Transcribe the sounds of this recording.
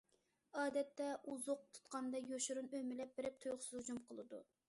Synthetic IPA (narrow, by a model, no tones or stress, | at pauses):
ɑːd̪ɛt̪ːɛʔuzʊq̚t̪ʰu̥t̪qɑnd̪ɑjoʃuɾunømɪlɛp̚bɪɾɪp̚t̪ʰujχʊsɨzud͡ʒumqʰəlˠɨd̪ṵ